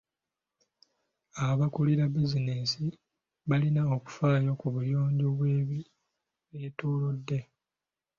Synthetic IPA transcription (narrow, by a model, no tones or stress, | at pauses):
aβakuliɾabiziniːsi | βalinaoku̥faːjo̞kuβujo̞ːɲɟoβwe̞ːβi | βetuːludːe̞